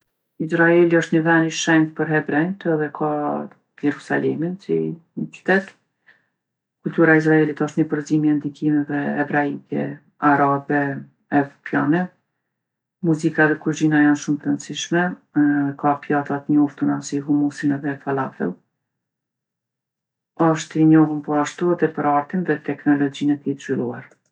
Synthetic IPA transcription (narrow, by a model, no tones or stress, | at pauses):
izɾaɛliɔʃt̪ɲəvɛniʃɛnt̪pəɾɦɛbɾɛjnt̪ɛðɛkʰa | jɛɾusa̰lɛminsḭnət͡ʃy̥t̪ɛt̪ | kult̪uɾaiz̬ɾaɛlit̪ɔʃt̪ɲəpəɾzimjɛnd̪ikimɛvɛɛvɾaikɛ̰ | aɾabɛ | ɛvɾɔpjanɛ | muzikaðɛkuɾd͡ʑinajanʃumt̪ɾənsiʃmɛ | kapjat̪at̪ɲɔft̪unasiɦumusinɛðɛfalafɛ̰lˠ | ɔʃt̪iɲɔɦumpɔaʃt̪uaðɛpəɾaɾt̪inðɛt̪ɛknɔlɔd͡ʑinɛt̪it̪ʃvilˠuaɾ